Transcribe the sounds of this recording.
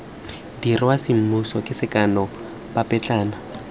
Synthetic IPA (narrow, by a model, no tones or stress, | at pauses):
dirɪwasɪm̩musɔkʼɪsɪkʼanɔ | bapʼɛt͡ɬʼaːna